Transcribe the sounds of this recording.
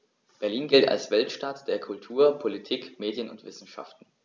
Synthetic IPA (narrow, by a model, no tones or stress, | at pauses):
b̥ɛɐliːnɡɪlta̰lsv̥ɛltʃtatd̥eːɐkʰʊltʰuːɐpʰolitʰiːkmeːdjənʊ̰ntv̥ɪsn̩ʃa̰ftn̩